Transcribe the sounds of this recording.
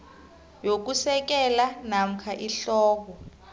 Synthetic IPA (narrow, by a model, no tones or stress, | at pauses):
jok̬usɛk̬ɛlanam̩kʰaʔiɬɔːk̬ɔ